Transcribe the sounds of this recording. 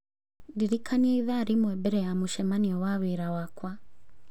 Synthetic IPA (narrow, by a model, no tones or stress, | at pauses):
diɾikʰaniɛiðaɾimwɛbɛɾɛjamuʃɛmaniɔwaβiɾawakwa